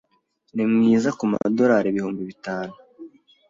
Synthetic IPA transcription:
nimŋiːzakuma̰do̞ɾaːɾeβihuːmbiβitaːnu

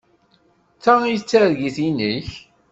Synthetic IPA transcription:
t͡sːæijt͡sːæɾʝiθiniç

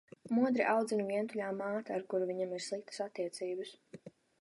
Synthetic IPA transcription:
muɔd̪ɾiʔawd̪zinuviɛnt̪uʎʲaːmaːt̪aːɾkuɾuviɲamiɾslˠik̚t̪ə̥sat̪ːiɛt̪siːbəs

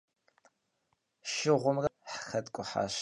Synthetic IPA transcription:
ʃɪʁʷʊmrɐħχɐtkʷʼʊħa̰ːʃ

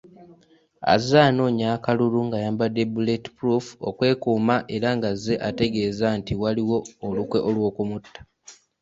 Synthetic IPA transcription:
a̰zaːno̞ːɲaːkaluluŋɡajaːmbadebuleti̥pɾufo̰kwe̞ːkuːmaʔe̞ɾaŋɡaze̞ʔate̞ɡe̞ːzantiwaliwo̞ːlukwe̞ʔolwo̞ːkumutːḁ

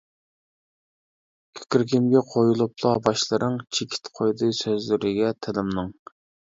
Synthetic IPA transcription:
kʲʰy̥kʲɾkʲimɡʲɛqʰojulˠuplˠɑbɑʃlˠɨɾɨŋt͡ʃʰekʲʰi̥t̪qʰojd̪ɨsøzlyɾɪɡʲɛt̪ʰɪlɪmnɨŋ

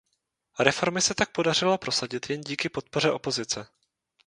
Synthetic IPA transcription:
ɾɛfo̞ɾmɪsɛt̪ak̚po̞dar̝ɪlapɾo̞saɟɪt̪jɛnɟiːkɪpo̞t̪̚po̞r̝ɛʔo̞po̞zɪt͡sɛ

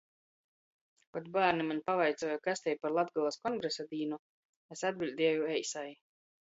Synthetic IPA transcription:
kot̪baːɾnimanʲpavajt̪sɔːjukasʲt̪ʲɛjpaɾlˠad̪ɡalˠaskɔŋɡɾesad̪iːnu | esad̪̚bʲilʲd̪ʲiɛjuɛjsaj

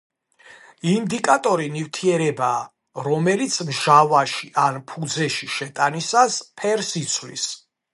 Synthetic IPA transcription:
ind̪ikʼat̪ʼɔɾinivt̪ʰiɛɾɛbaː | ɾɔmɛlit̪sʰmʒavaʃiʔanpʰud̪zɛʃiʃɛt̪ʼanisaspʰɛɾsit̪sʰvlḭs

